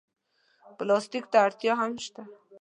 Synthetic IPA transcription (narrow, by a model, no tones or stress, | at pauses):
plɔst̪ikt̪aɾt̪jɔɦamʃt̪a